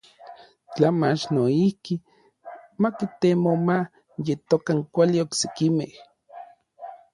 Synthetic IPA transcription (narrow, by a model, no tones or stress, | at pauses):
t͡ɬamat͡ʃnoihki | makit̪emoma | jet̪okaŋkʷaliokse̥kimeh